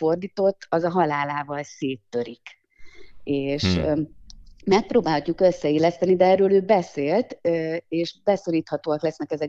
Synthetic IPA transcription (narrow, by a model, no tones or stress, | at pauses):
fo̞rd̪iːt̪o̞t̪ːɒzɒɦɒlaːlaːvɒlseːt̪ːøɾik | eːʃ | mɛk̚proːbaːlhɒcːukø̞sːɛeːlɛst̪ɛnid̪ɛɛrøːløːbɛseːlt̪eːʃbɛsoɾiːt̪hɒt̪oːɒklɛsnɛkɛzɛ